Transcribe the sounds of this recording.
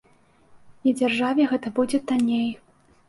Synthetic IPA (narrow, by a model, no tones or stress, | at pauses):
id͡zʲarʐavʲɛɣɛt̪ɐbud͡zʲɛt̪anʲej